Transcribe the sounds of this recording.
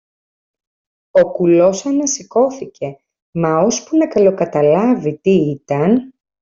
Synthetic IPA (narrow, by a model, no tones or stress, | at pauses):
o̞kulo̞sɐnɐsiko̞θicʰe̞ | mɐo̞spunɐkɐlo̞kɐt̪ɐlɐvit̪iit̪ɐn